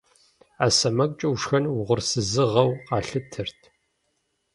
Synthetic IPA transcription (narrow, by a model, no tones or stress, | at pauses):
aːsɐmɐkʼt͡ʃʼɐwʂxɐnwʊʁʷʊrsɨzɨʁɐwqɑːɬɨtʰɨrtʰ